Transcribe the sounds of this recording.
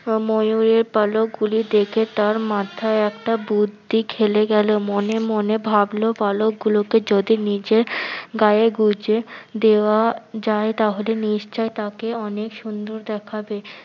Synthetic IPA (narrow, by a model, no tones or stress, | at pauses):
mojuɾeɾpalok̚ɡulid̪ekʰet̪aɾmat̪ʰaeɛkʈabud̪ʱːikʰeleɡɛlomonemonebʱablopalok̚ɡuloked͡ʑod̪inid͡ʑeɾɡajeɡud͡ʑed̪eoad͡ʑaet̪aɦoleniʃt͡ɕaet̪akeɔnekʃund̪oɾd̪ɛkʰabe